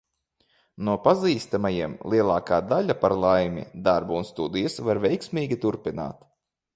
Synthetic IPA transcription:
nuɔpaziːst̪amajiɛmlˠiɛlˠɑːkaːd̪aʎʲapaɾlˠajmʲḭd̪aɾbuunst̪ud̪ijasvaɾvʲɛjksmʲiːɡʲit̪uɾpina̰ːt̪

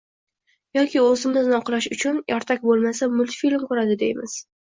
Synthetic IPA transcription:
jɒkʲɪɵzɪmɪznɪɒqʰlˠaʃʊt͡ʃʰʊnjʔɒɾt̪ʰakʲbolˠmasamʊlt̪filmkʊɾad̪ɪd̪ejmɪz̥

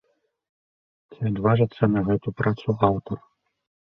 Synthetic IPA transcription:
t͡sʲiɐd̪vaʐɨt̪sːɐnɐɣɛt̪upɾat̪suawt̪ɔr

